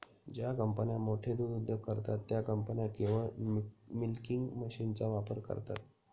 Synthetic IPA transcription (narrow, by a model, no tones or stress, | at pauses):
d͡ʑjakəmpənjamoʈʰed̪ud̪ud̪ʱːjəɡ̚kəɾt̪at̪ːjakəmpənjakiʋə | milkiŋɡməɕint͡saʋapəɾkə̰ɾt̪a̰t̪̚